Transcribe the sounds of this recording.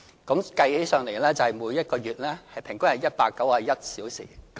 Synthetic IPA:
kɔ˨˥mkɐ˧jhe˨˥jsœː˨ŋle˨˩jlɛː˥t͡sɐ˨whɐ˨˩jmuː˨˥jɐ˥t̚kɔː˧ɥyː˨t̚lɛː˥hɐ˨jpʰɪ˨˩ŋkʊ˥ŋɐ˨jɐ˥t̚paː˧kːɐ˨˥waː˨˧jɐ˥t̚siː˨˥wsḭː˨˩

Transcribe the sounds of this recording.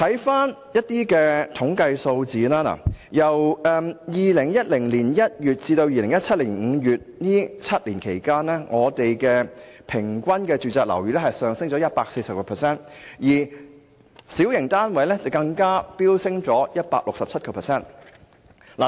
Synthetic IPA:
t̪ʰɐ˨˥jfaː˥njɐ˥t̚t̪iː˥kɛː˧t̪ʰʊ˨˥ŋkɐ˧jso˧wt͡siː˨laː˥la̰ː˨˩jɐ˨˩wɛː˨˧jiː˨lɪ˨˩ŋjɐ˥t̚lɪ˨˩ŋliː˨˩njɐ˥t̚jyː˨t̚t͡siː˧t̪o˧wjiː˨lɪ˨˩ŋjɐ˥t̚t͡sʰɐ˥t̚liː˨˩nŋ̩ː˨˧jyː˨t̚niː˥t͡sʰɐ˥t̚liː˨˩nkʰe˨˩jkaː˥nlɛː˥ŋɔː˨˧t̪e˨jkɛː˧ | pʰɪ˨˩ŋkʷɐ˥nkɛː˧t͡ʃyː˨˧t͡sɛː˧k̚lɐ̰˨˩wjyː˨˥lɛ˥ɦɐ˨jsœː˨˧ŋsɪ˥ŋt͡sɔ˨˧jɐ˥t̚paː˧k̚se˧jsɐ˨p̚kɐ˧pʰɛː˨˩sɛː˥njiː˨˩ | siː˨˥wjɪ˨˩ŋt̪aː˥nwɐ˨˥jlɛ˥t͡sɐ˨˩wkɐ˧ŋkaː˥piː˥wsɪ˥ŋt͡sɔː˨˥jɐ˥t̚paː˧k̚lʊ˨ksɐ˨p̚t͡sʰɐ˥t̚kɐ˧pʰɛ˨sɛː˥n | la̰ː˨

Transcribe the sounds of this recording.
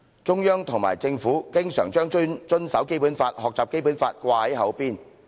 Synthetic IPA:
t͡ʃʊ˥ŋjœː˥ŋt̪ʰʊ˨˩ŋma̰ː˨˩jt͡sɪ˧ŋfuː˨˥kɪ˥ŋsœː˨˩ŋt͡ʃœː˥ŋt͡ʃɵ˥nt͡ʃɵ˥nsɐ˨˥wke˥jpuː˨˥nfaː˧t̚hɔː˨k̚t͡saː˨p̚ke˥jp̬uː˨˥nfaː˧t̚kʷaː˧hɐ˨˥jhɐ˨˥wpiː˥n

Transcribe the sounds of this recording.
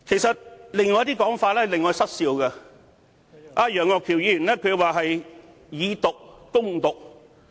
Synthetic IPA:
kʰe˨˩jsɐ˨t̚lɪ˨˧ŋɔː˧jt̪iː˥kɔː˨˥ŋfaː˧t̚lɛː˥lɪ˨ŋːɔː˨˧jsɐ˥t̚siː˧wkɐ˧ | ʔaː˧jœː˨˩ŋɔː˨˧kʰi˨˩wjiː˧jy˨˩nlɛː˥kʰɵ˨˧˥waː˨˩ɦɐ˨j | jiː˨˧t̪ʊ˨k̚ːʊ˥ŋt̪ʊ˨k̚

